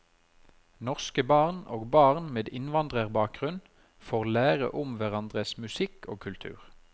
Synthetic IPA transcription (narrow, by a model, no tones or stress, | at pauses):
nɔʁskəbɑʁnoːɡbɑːʁnmeːd̪ɪnʋɑnd̪ʁəʁbɑːk̚ɡ̥ʁʉn | foːʁlæːʁə̰ʔʊmʋæʁɑnd̪ʁəsmʉsɪkʰo̰ːkʰʉlt̪ʰʉ̰ːʁ